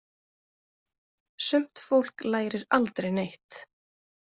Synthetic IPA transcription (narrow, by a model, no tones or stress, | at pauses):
sʏm̥t̪fowl̥klaːjɾɪɾalt̪ɾejnejht̪